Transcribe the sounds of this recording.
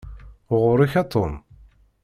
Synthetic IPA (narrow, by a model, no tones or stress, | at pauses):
ʁʊɾiçɑt̪ʰˤːom